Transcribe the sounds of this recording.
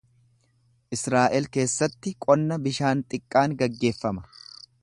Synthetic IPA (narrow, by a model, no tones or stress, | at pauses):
ʔɪsɾaːʔɛlke̞ːsːɐt̪ːɪkʼɔnːɐbɪʃaːnt̪ʼɪkʼːaːŋɡɐɡːe̞ːfːɐmɐ̥